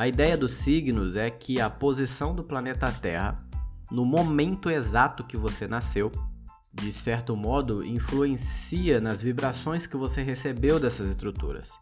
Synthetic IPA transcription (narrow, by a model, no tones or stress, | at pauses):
ɐid̪ɛjɐd̪ʊsiɡnʊzɛkʰɪɐpozisɐ̃w̃d̪ʊplanet̪ɐːt̪ɛhɐ̰ | nʊmomẽnt̪ʊezat̪ʊkɪvosenasew | d͡ʒɪsɛɾt̪ʊmɔd̪ʊḭ̃fluẽsiɐnɐzvibɾasõj̃skɪvoseɦesebewd̪ɛsɐzɪst̪ɾut̪ṵɾɐ̰s